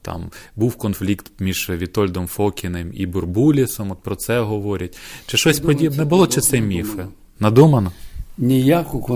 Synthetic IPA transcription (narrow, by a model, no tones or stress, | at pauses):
t̪ɑ̰mbuwkɔnflʲikt̪mʲiʒ̥ʋʲit̪ɔlʲd̪ɔmfɔkʲɪnɪmḭbʊrbulʲisɔmɔt̪̚pɾɔt̪sɛɦɔʋɔɾʲɐt̚ʲt͡ʃɪʃɔsʲpɔdʲibnɛbʊlˠɔt͡ʃɪt̪sɛmʲifɪ | nɐd̪umɐnɐnʲijakʊk